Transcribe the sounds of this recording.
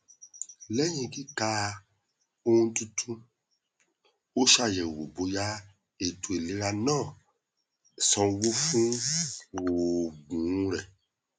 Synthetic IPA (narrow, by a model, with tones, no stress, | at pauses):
lɛ˦ɲĩ˧˨ki˦ka˧˦ | o˦ũ˧˦tu˧tʰũ˦ | o˦ʃa˦˨jɛ˨wo˨bo˨˦ja˦ | e˨tu˨e˨le˦ɾa˧nãː˦˨ | sɔ̃˧˦wo˦fũ˦˨ | wo˨ɡ͡bũ˨˦ɾɛ˨